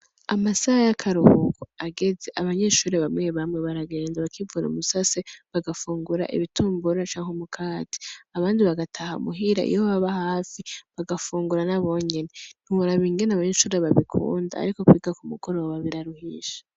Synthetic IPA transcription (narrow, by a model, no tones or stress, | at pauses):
amasahajakʰaɾuhukoaɡe̞ze̞ʔaβaɲe̞ʃuːɾeβamŋeβamŋeβaɾaɡe̞ːnzaβakʰivuːɾṵmusaseβaɡafuːŋɡuɾa̰ʔḭβitʰuːmbuɾat͡ʃaːŋhomukʰaːtʰi̥aβaːndiβaɡatʰahamuɦiɾa̰ʔḭjoβaβahaːfiβaɡafuːŋɡuɾanaβo̞ɲenen̥huβuɾaβiːŋɡenaβaɲeʃuːɾeβaβikʰṵːnda̰a̰ɾiko̞kwiːɡakumuɡo̞ɾo̞ːβaβiɾaɾuhiʃḁ